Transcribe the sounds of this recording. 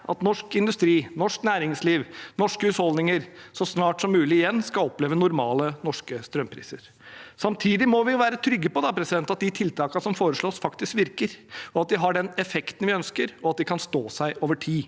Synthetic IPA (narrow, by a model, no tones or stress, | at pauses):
ʔɑ̰t̪nɔʂkɪnd̪ʉst̪ɾiːnɔʂknæːɾɪŋsliːʋnɔʂkəʉshɔld̪nɪŋəɾsɔsnɑːʈsɔmːʉːlɪɪjɛnːskɑlɔpleːʋənʊɾmɑːlənɔʂkəst̪ɾœmpʰɾḭːsəɾ | sɑmt̪ʰiːd̪ɪmɔʋɪjʋæːɾət̪ʰɾʏɡːəpɔd̪ɑpʰɾɛsɪd̪ɛnt̪ɑt̪̚d̪ɪt̪ʰɪlt̪ʰɑːknsɔmfoːɾəʂɭoːsfɑkt̪ɪskʋɪɾkəɾɔɑt̪̚d̪ɪɦɑɖɛnɛfɛkt̪ənʋɪœnskəɾɔɑt̪̚d̪ɪkʰɑnst̪oːsæɪʔoːʋəʈʰiː